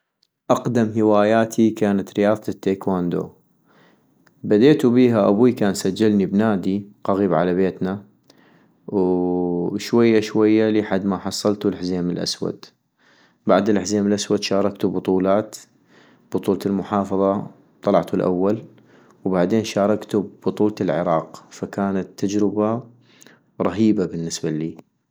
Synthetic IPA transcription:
ʔɑqd̪amɦɪwaːjaːt̪ʰikaːnat̪ɾɪjɑːðˤt̪t̪ːeːkwaːnd̪o̰ː | bad̪eːt̪ubiːɦaʔabukaːnsad͡ʒːalnibnaːd̪iqɑɣiːbʕalabeːt̪na | w | ʃwajːaʃwajːaliħad̪ːmaħɑsˤːɑlt̪ulɪħzeːmɪlʔa̰swa̰d̪ | baʕd̪ɪlʔɪħzeːmɪlʔaswad̪ʃɑːɾˤɑkt̪ubʊt̪ˤuːlaːt̪ | b̥ʊt̪ˤuːlt̪ɪlmʊħɑːfɑðˤɑ | t̪ˤɑlɑʕt̪ulʔa̰wːal | wbaʕd̪eːnʃɑːɾˤɑkt̪ubʊt̪ˤuːlt̪ɪlʕɪ̰ɾˤɑːqfakaːnat̪ːad͡ʒɾɪba | ɾˤɑɦiːbabɪnːɪsballiː

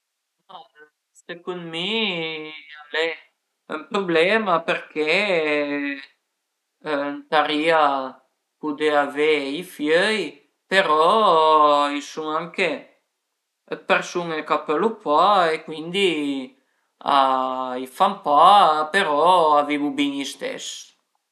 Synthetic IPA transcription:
ma | sekunmi | alɛ | ɛmpɾublɛmapeɾkʰe | nt̪aɾia | pud̪eaveifjœj | peɾɔ | ilsuŋaŋke | peɾsunekapəlupaekwind̪i | a̰ifampapeɾɔavimubinist̪ɛ̰s

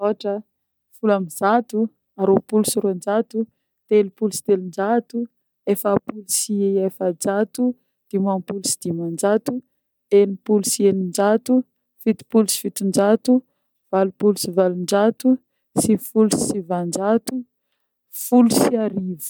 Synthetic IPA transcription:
oʈ͡ʂə | fulamiz̥at̪u | aɾopulusuɾond͡ʒat̪u | t̪elupulusi̥t̪elind͡ʒat̪u | efəpulusiejefəd͡ʒat̪u | d̪̥imanpulusi̥d̪̥imand͡ʒat̪u | enipulusienind͡ʒat̪u | fit̪i̥pulusi̥fit̪und͡ʒat̪u | v̥alupulusivalund͡ʒat̪u | sifulusivand͡ʒat̪u | fulusiaɾivu̥

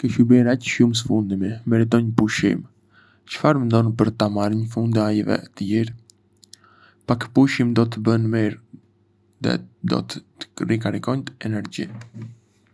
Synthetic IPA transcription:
kəʃubɛɾacʃums̬əfund̪imimɛɾit̪̬ɔɲpuʃḭm | t͡ʃə̥faɾmɛnd̪ɔnpəɾt̪amaɾiɲfund̪ajvɛ̰t̪əjiɾ | pakpuʃimd̪ɔt̪əbənmiɾ | ðɛ̰d̪ɔ̰t̪ | ə̥ɾikaɾikɔnt̪əɛnɛɾd͡ʑḭ

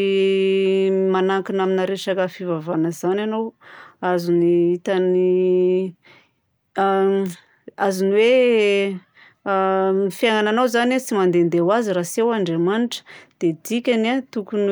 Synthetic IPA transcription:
manaŋkinaminaɾeʃakəfivavanəzananowazuniit̪ani | azuniwe | mifjaŋananowzanat͡simand̪end̪ewazirasiewaɳɖ͡ʐemaniʈ͡ʂə̥d̪̥ed̪ikʲanat̪ukun

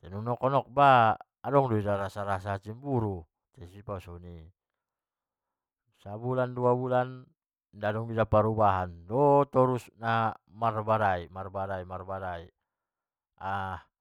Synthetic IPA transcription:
t̪ɛnunɔkɔnɔk̚baː | dɔŋdɔidaɾasaɾasat͡ʃimbuɾu | t̪ɛsipausɔni | sabulanduabulan | dadɔŋidapaɾubaɦandɔt̪ɔɾusnamarbaɾaimarbaɾaimarbaɾai | ah

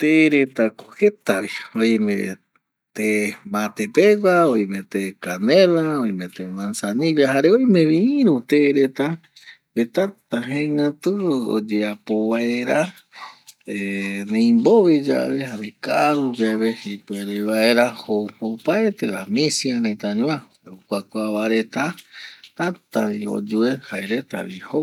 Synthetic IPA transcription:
t̪eɾet̪akohet̪aβiojmḛ̃ | t̪emat̪epeɡʷaoj̃mẽt̪ekanelaoj̃mẽt̪emãnsanĩljaɦaɾeojmẽβĩĩɾut̪eɾet̪a | bet̪at̪aɦẽŋãt̪ɨo̰d͡ʒeapoβaeɾa | enẽjmboʋed͡ʒa̰βeɦaɾekaɾud͡ʒaβehepeɾeβaeɾahoopaet̪eɾamĩsjaɾet̪aɲũã | okʷakʷaβaɾet̪at̪at̪aβio̰d͡ʒuehaeɾet̪a̰βiho

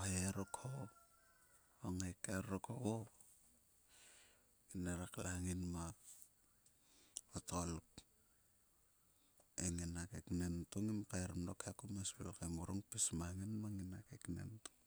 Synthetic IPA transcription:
haɾokʰo | oŋakaɾokʰoɡo | ineɾaklaŋinma | otolk | ḛŋinakeknentuŋimkaeɾmdokʰekumasbelkamuɾoŋpismaŋinmaŋinakeknḛntu̥ŋ

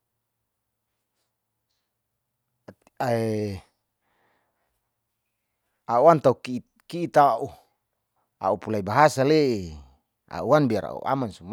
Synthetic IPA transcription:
ae | auant̪auk | kiːt̪aʔu | a̰upulaibaɦasaleʔi | a̰uanbiaɾa̰ṵʔa̰mansum

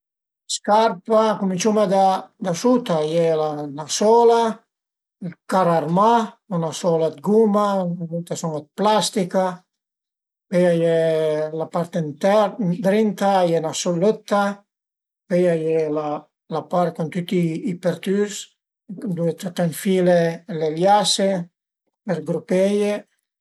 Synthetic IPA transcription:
skaɾpakumint͡ʃumad̪ad̪asut̪ajɛlanasɔla | lkaɾaɾmaunasɔlad̪ɡumanavut̪asumad̪̚plast̪ika | pejajɛlapaɾt̪ɛnt̪ɛd̪ɾint̪ajenasɔløt̪ːa | pejajela | lapaɾt̪̚kɔnt̪yt̪iːpɛɾt̪ys | d̪uet̪ɾat̪anfileleljase | peɾɡɾupeje

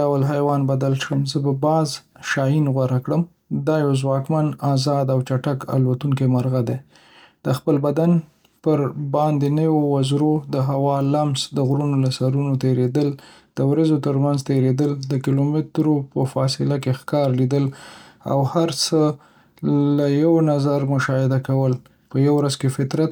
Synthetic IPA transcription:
awəlɦajwɑnbad̪alʃəmzəbabɑzʃɑjinɣwaɾakɽəm | d̪ɑjawzwɑkmanɑzɑd̪awt͡ʃaʈaka̰lwat̪uŋkemaɾɣad̪e | d̪̥əxpəlbad̪an | pəɾbɑnd̪enəwowazɾod̪əɦawɑlamsd̪əɣɾunolasaɾunot̪eɾed̪əl | d̪̥əwɾazot̪əɾmanzt̪eɾed̪əld̪əkilomɪt̪ɾopəfɑsɪlakexkɑɾlid̪əla̰whaɾt͡sə | lajawnazaɾmʊʃɑhɪd̪akawəl | pəjawɾazkefɪt̪ɾat̪̚

